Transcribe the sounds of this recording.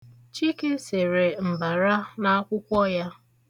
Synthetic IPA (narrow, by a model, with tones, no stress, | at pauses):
t͡ʃi˦ke˦se˨ɾe˨m̩˨ba˨ɾa˦na˦a˦kʷʊ˦kʷɔ˦ja˦